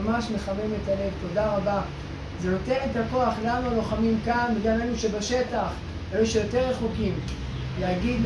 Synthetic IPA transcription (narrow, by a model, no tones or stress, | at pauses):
maʃme̞χame̞me̞t̪ale̞vt̪o̞d̪aʁaba | zeno̞t̪e̞net̪ako̞aχlanualo̞χamimkanbiɡamenuʃebaʃe̞taχ | aluʃejo̞te̞ʁeχokim | lehaɡid̪